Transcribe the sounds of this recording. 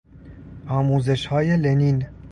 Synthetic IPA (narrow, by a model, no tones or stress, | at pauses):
ʔɒːmuːze̞ʃhɒːjelenin